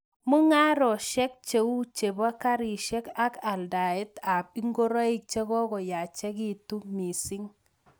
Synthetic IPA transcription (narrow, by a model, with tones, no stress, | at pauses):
mu˦ŋa˦ɾɔ˨ʃɛ˦k̚t͡ʃe˨u˦t͡ʃe˨ba˦ka˦ɾi˨ʃɛ˦ka˦ka˨lda˨ɛ˦ta˨bi˦ŋɡo˦ɾa˦i˦k̚t͡ʃe˦ɣɔ˦ɡɔ˨ja˨t͡ʃɛ˦ki˦˨tu˦mi˨si˦ŋ